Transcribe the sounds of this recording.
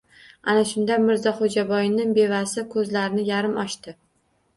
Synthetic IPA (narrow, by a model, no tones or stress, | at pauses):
anaʃʊnd̪amɪɾzɒχod͡ʒabɒjɪnɪŋbe̞vasɪkʰɵzlaɾɪnɪjaɾɪmɒʃt̪ɪ